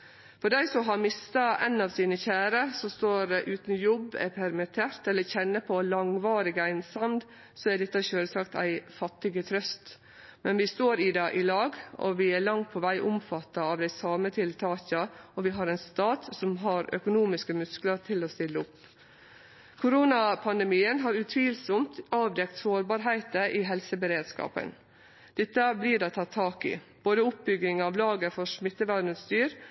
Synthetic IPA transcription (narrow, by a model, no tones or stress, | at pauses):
fɔɖæɪsɔmɦɑɾmɪst̪ɑæ̰ɪnɑːʋsiːnəçæːɾəsɔst̪oːɾɛʔʉːt̪n̩jɔbːɛ̰pʰæɾmɪt̪ʰeːɾt̪ɛlːəçɛnːəpʰɔlɑŋʋɑːɾɪɡəæɪnsɑmd̪ | sɔæd̪ɛt̪ːəʃøːlsɑkt̪ʰæ̰ɪfɑt̪ːɪɡət̪ʰɾœst̪ | mɛnʋɪst̪oːɾɪd̪ɑːʔɪlɑːɡɔ̰ʋɪæɭɑŋt̪̚pʰɔʋæɪʔʊmfɑt̪ːɑɑːʋd̪æɪsɑːmət̪ʰɪlt̪ʰɑːçɑɔʋɪɦɑɾɛnst̪ɑːt̪sɔmɦɑɾœ̰kʊnuːmɪskəmʉskləɾt̪ʰɪlɔst̪ɪlːəʊp | kʰʊɾuːnɑpʰɑnd̪ɛmiːənɦɑːɾʉt̪ʰʋiːlsʊmt̪ɑːʋd̪ɛk̚t̪soːɾbɑːɾɦæɪt̪əʔɪɦɛlsəbəɾeːd̪skɑ̰ːpə̰n | d̪̥ɛt̪ːəbliːdɛt̪ʰɑt̪ʰːɑːkɪ̰ | b̥oːd̪əʊp̚bʏɡɪŋɑʋlɑːɡəfɔʂmɪt̪ːəʋænəst̪yːɾ